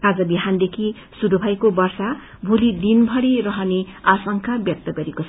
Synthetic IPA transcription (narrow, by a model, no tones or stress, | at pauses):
ad͡zʌbiɦand̪ekʰi | suɾubʱajkobʌrsa | bʱulid̪inbʱʌɽirʌɦʌneasʌŋkʰabjʌk̚t̪ʌɡʌɾiko